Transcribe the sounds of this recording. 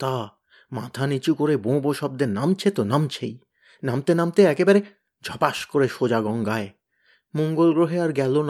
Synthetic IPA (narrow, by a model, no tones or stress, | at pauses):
t̪a | ma̰t̪ʰanit͡ɕukoɾebõboʃɔb̚d̪eɾnamt͡ɕʰet̪onamt͡ɕʰḛj | namt̪enamt̪eɛkebaɾe | d͡ʑʱɔpaʃkoɾeʃod͡ʑaɡɔŋɡae | moŋɡolɡɾoɦeaɾɡɛlon